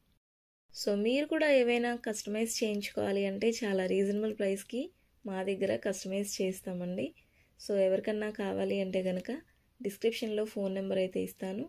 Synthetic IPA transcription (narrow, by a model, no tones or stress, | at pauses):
so̞ːmiːɾukuːɽaːeːʋɐjnaːkɐsʈɐmeːst͡ʃe̞ːjiɲt͡ʃu̥kɔ̰ːʋaːliɐɳʈe̞ːt͡ʃaːlaːɾiːd͡ʒɐnɐbɐlpɾɐjski | maːd̪ɐɡːɐɾɐkɐsʈɐmeːst͡ʃeːst̪aːmɐɳɖi | so̞ːɛʋɐɾikɐnːaːkaːʋaːliɐɳʈe̞ːɡɐnɐkɐ | ɖiskɾipʂɐnlo̞ːpʰo̞ːnːɐmbɐɾɐjt̪e̞̰ːist̪aːnu